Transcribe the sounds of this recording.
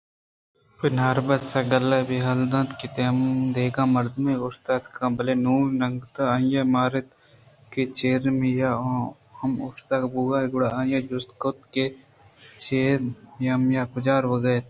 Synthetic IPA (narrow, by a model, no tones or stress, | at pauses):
pɪnaːɾbɐsaɡəlabeːɦɐld̪ãt̪kit̪emd̪eːɡãːmɐɾd̪meːʊst̪aːt̪kãːbɐleːnuːɾnɐŋɡt̪aajaːmaːɾet̪ | ket͡ʃeːɾmeja | hɐmʊst̪aːkbuːɡaːɡʊɽaaːjaːd͡ʒʊst̪kot̪ke | t͡ʃeːɾjamjaːkʊd͡ʒaːɾʋəɡəjt̪